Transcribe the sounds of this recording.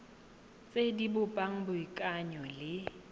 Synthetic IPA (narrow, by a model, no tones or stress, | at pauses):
t͡sʼedibʊpʼaŋ̩bʊikʼaɲɔlɪ